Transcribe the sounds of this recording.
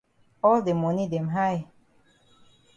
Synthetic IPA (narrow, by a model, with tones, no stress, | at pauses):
ɔ˦ld̪e˨mɔ̃˨ni˦de˨mɦa˦j